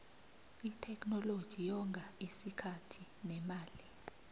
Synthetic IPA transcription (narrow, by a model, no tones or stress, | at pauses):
itʰɛkʰʼnɔlod̥ʒ̥ʱijɔŋɡʱaisikʰatʰi | nɛmaːli